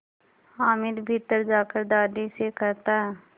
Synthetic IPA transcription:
aːmɪd̪bʱɪt̪ːəɾd͡ʒaːkəɾd̪aːd̪isekɐɾt̪aɦɛː

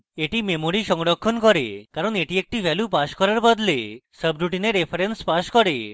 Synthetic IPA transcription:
eʈimemoɾiʃɔŋɽɔkʰːɔnkɔɾekaɾɔneʈiek̚ʈiʋʱɛljupaʃkɔɾaɾbɔd̪lesəbɾuʈineɾepʰəɾenspaʃkɔɾe

